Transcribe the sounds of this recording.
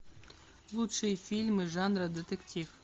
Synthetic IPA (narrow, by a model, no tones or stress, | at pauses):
lˠut̪ʂɨjfʲilʲmɨʐɑnrɐd̪ʲet̪ɛkt̪ʲif